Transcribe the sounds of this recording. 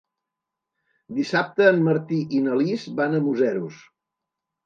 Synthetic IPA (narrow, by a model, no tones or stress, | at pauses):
d̪isap̚t̪əːmːəɾt̪iʔinəlizbanəmuzɛɾus